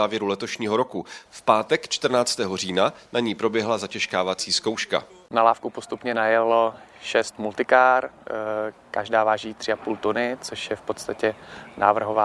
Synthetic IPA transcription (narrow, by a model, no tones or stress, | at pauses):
aːvjɛɾulɛt̪o̞ʃɲiːɦo̞ɾo̞kufpaːt̪ɛkt͡ʃt̪r̩naːt͡st̪ɛːɦo̞r̝iːnanaɲiːpɾo̞bjɛɦlazacɛʃkaːvat͡siːsko̞wʃka̰ | nalaːfkupost̪upɲɛnajɛlo | ʃɛst̪mult̪ɪkaːr | kaʒdaːvaːʒiːt̪r̥ɪapuːlt̪unɪt͡soʃjɛfpot̪st̪acɛnaːvr̩ɦovaː